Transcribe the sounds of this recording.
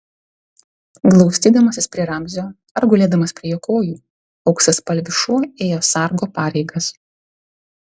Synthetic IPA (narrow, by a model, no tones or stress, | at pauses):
ɡlˠɒʊsʲt̪ʲiːd̪ɐmɐsʲɪspʲɾʲiɛɾɐmʲzʲoː | ɐɾɡʊlʲeːd̪ɐmɐspʲɾʲiɛjoːkoːjuː | ɐʊksɐspɐlʲʋʲɪʃuɔeːjoːsɑˑɾɡoːpɑːɾʲɛɪɡɐs